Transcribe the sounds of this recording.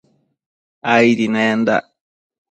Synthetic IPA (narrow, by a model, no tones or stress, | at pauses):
ajɾinaand̪a̰